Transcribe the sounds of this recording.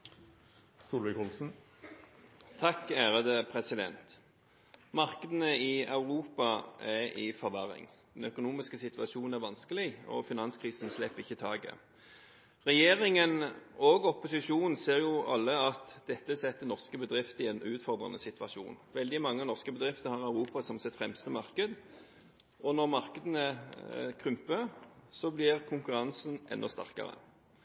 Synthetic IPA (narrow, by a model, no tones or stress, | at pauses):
suːlʋɪkɔlsn̩ | t̪ʰɑkːæːʁəd̪əpʰʁɛsɪd̪ɛ̰nt̪ | mɑʁkəd̪ənəɪɑʉʁuːpɑæʁɪfɔʁʋæʁɪ̰ŋd̪ɛn̩œkʊnuːmɪskəsɪt̪ʋɑʃuːnn̩æʁʋɑnskəlɪɔ̰fɪnɑnskʰʁiːsənslɛpːɪçːət̪ʰɑːɡə̰ | ʁɛjeːʁɪŋənɔɡɔpʊsɪʂuːnn̩seːʁjʊʔɑ̰lːəɑt̪d̪ɛt̪ːəsɛt̪ːənɔʁskəbəd̪ʁɪft̪ɪɛnʉːt̪fɔʁd̪ʁɑ̰nəsɪt̪ʋɑʂṵːnʋɛld̪ɪmɑŋːənɔʁskəbəd̪ʁɪft̪əhɑʁæʉʁuːpɑsɔmsɪt̪fʁɛmst̪əmɑʁkəd̪ | ɔnɔʁmɑʁkəd̪ənəkʰʁʏmpəsɔblɪʁkʰʊŋkʉɾɑnsn̩ʔɛ̰nːʔɔst̪æ̰ʁkɑ̰ʁə̰